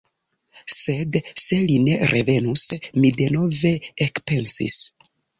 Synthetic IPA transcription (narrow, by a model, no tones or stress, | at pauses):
se̞dse̞line̞ɾʔe̞ve̞nusmide̞no̞ve̞ekpe̞nsḭs